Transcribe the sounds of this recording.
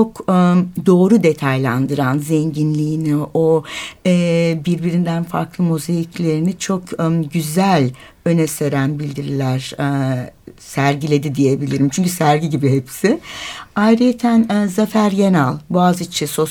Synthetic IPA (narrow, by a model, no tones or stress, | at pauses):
t͡ʃo̞kd̪o̞ːɾud̪e̞t̪ʰajlˠand̪ɯɾanzɛɲɟinlʲiːnioɛːbiɾbiɾind̪ænfa̰ɾklˠɯmuzajiclʲe̞ɾinit͡ʃʰo̞kɟyzælʲ | ø̞nɛseɾænbilʲd̪iɾilʲæɾ̥ | sæɾɟilʲe̞d̪id̪ije̞bilʲiɾimt͡ʃʰyɲcysæɾɟiɟibiɦepsɪajɾet̪ʰænzafæɾjenalˠbuazit͡ʃʰiso̞s